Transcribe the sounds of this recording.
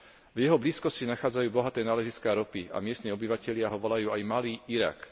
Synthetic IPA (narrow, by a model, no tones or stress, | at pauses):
vjɛɦɔbliːskɔscinaxaːd͡zajuːbɔɦat̪ɛːnaːlɛziskaːɾɔpia̰mɪɛst̪niːɔbiʋacɛʎɪaɦɔʋɔlajuːajmaliːiɾa̰k